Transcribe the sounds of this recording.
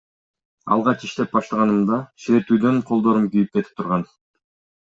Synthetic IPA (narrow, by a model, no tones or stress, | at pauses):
ɑ̰lˠʁɑt͡ʃiʃt̪e̞p̚bɑʃt̪ɑʁɑnɯmd̪ɑʃeɾeɾt̪yːd̪ø̞ɴqʰolˠd̪o̞ɾumkyjyp̚ke̞t̪i̥p̚t̪ʰuɾʁɑn